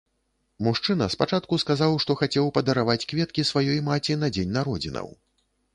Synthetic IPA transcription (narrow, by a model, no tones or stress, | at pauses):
muʂt͡ʂɨnɐspat͡ʂat̪̚kuskazawʂt̪ɔxat͡sʲɛwpɐd̪ɐɾavat͡sʲkvʲɛt̪kʲisvajɔjmat͡sʲinɐd͡zʲenʲnaɾɔd͡zʲinɐ̰w